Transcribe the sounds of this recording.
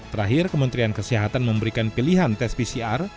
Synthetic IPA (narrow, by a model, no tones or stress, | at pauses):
t̪əɾaɦɪrkəmənt̪ɾiankəsiɦat̪anməmbəɾikanpiliɦant̪ɛspisiar